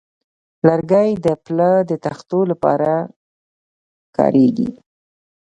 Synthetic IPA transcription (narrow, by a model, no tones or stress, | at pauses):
laɾɡajd̪əpləd̪ət̪axt̪olapɑ̰ɾa | kɑ̰ɾʔeɡḭ